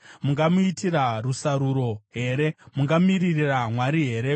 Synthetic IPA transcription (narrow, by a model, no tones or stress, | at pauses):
muŋɡamuitirarusaɾuɾo̞ɦe̞ɾe̞muŋɡamiririramwaɾiɦe̞ːɾe̞